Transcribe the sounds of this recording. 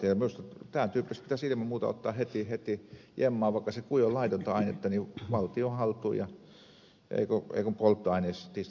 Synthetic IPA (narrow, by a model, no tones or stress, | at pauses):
ieminust̪ɑt̪æːt̪yːpːist̪pit̪æsilimɑmuːt̪ɑ̰o̰t̪ːɑːhet̪ihet̪ijemːɑːʋʋɑˑikːɑsekujolɑit̪ont̪ɑɑinet̪ːɑniʋɑlt̪iohɑlt̪ˑuːjɑ | ḛikoḛˑikompolt̪ːoɑinest̪ːiːs